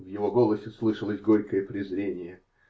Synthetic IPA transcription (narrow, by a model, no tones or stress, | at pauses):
vjɪvo̞ɡo̞lˠəsʲɪslˠɨʂəlˠəzʲɡo̞ɾʲkəjəpɾʲɪzɾʲenʲɪjə